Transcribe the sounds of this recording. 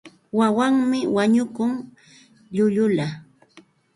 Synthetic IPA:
wawaŋmɪwaɲʊkʊŋ | ʎʊʎʊla

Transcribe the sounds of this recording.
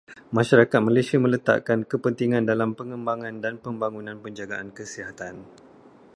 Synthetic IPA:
mãʃaɾakat̪̚malesiamə̃lət̪a̰ʔkankəpənt̪iŋãndalampəŋə̃mbaŋãndanpəmbaŋunãnpəɲd͡ʒaɡaʔankəsiɦat̪an

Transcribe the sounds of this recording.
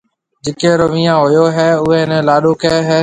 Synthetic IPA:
d͡ʒɪkeɾoʋĩːãːɦojoɦɛːʊɦeːɪnəlaːɗoːkɛɦɛː

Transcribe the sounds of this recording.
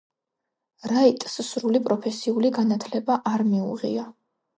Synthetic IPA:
ɾait̪ʼssɾulipʼɾɔpʰɛsiuliɡanat̪ʰlɛbaʔaɾmiṵʁḭa

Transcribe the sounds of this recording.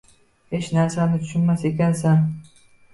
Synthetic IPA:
he̞t͡ʃnaɾsanɪt̪ʰʊ̥ʃʊnmasekʲansa

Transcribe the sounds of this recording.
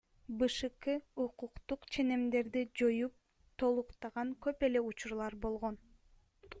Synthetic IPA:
bɯʃɯqɯuquqt̪uqt͡ʃʰe̞ne̞md̪e̞ɾd̪id͡ʒojup̚ | t̪ʰo̞lˠuqt̪ɑʁɑŋkø̞pe̞le̞ut͡ʃuɾlˠɑɾbo̞lˠʁon

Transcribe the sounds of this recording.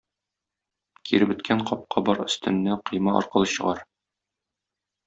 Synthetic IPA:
kʰiɾɘbɵ̆t̪kʰæɴqɒp̚qʰɑbɒɾɵ̆st̪ɘ̆nːæqɤ̆jmɑʔɒ̰ɾqɤ̆lˠɤɕɤ̆ʁɑɾ

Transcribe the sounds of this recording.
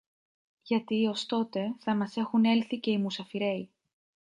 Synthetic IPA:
ʝɐt̪io̞st̪o̞t̪e̞θɐmɐse̞xune̞lθice̞imusɐfiɾe̞i

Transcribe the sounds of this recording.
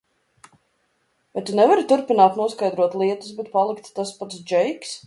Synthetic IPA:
vajt̪unɛvaɾit̪uɾpinaːt̪nuɔskajd̪ɾuɔt̪lˠiɛt̪usbɛt̪̚palˠikt̪ːaspat̪sd͡ʒɛjks

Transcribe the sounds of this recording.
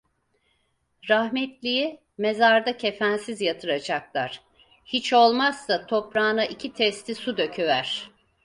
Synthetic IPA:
ɾahmɛt̪lʲiji | me̞zaɾd̪acʰefænsizjat̪ʰɯɾad͡ʒak̚lˠaɾ̥ | hit͡ʃo̞lˠmazːat̪ʰo̞pɾaːnaʔicʰit̪ʰɛst̪ʰisud̪ø̞cʰyvæɾ̝̥

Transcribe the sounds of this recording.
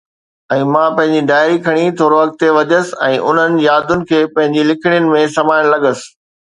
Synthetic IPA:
ɛ̃ːmãːpɐ̃ɦɪ̃ɲd͡ʑiɖaːɪɾikʰɐɽ̃it̪ʰoːɾoʋɐkt̪eʋɐʄəsɪ̆ɛ̰̃ːʔʊn̤ənɪ̆d͡ʑjaːd̪ʱʊnɪ̆kʰeːpɐ̃ɦɪ̃ɲd͡ʑilɪkʰɪɽ̃jʊnɪ̆mẽsɐmaːɪɽ̃lɐɠəsɪ̥̆

